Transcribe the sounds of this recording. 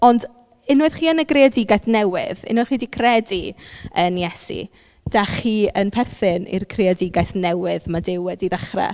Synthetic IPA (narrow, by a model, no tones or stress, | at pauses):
ɔnd | ɪnwɨð̥χiːənəɡreɔdɪɡajθnɛwɪ̰ðɪ̰nwɨðχiːdiːkʰrɛdiənjɛsḭ | d̥aχiːənpʰɛrθɪnḭrkʰreɔdɪɡajθnɛwɪðmadɪwɛdiðəχra̰